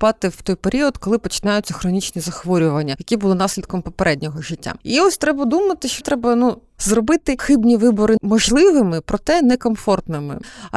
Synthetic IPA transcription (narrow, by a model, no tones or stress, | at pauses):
pɑt̪ɪw̥t̪ɔjpeɾʲiɔd̪kɔlˠɪpɔt͡ʃɪ̥nɑjʊtt͡sʲːɐxɾɔnʲit͡ʃnʲizɐxʋɔɾʲʊʋɐnʲːɐjɐkʲibulˠɪnɑsʲlʲid̪kɔmpɔpeɾɛdʲnʲɔɦɔʒɪtʲːa̰iɔsʲt̪ɾɛbɐd̪umɐt̪ɪʃt͡ʃɔt̪ɾɛbɐnu | zrɔbɪt̪ɪxɪbnʲiʋɪbɔɾɪmɔʒlˠɪʋɪmɪpɾɔt̪ɛnɛkɔmfɔrt̪nɪmɪ̰